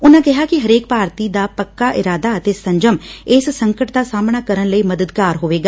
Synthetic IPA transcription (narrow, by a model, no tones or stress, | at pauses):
ʊnãːkɪɦaːkɪɦəɾeːk̚paːɾt̪iːd̪aːpəkːaːʔɪɾaːd̪aːət̪eːsə̃ɲd͡ʒəmɪssəŋkəʈd̪aːsaːmnaːkəɾənləiːməd̪əd̪kaːɾɦoːʋeːɡaː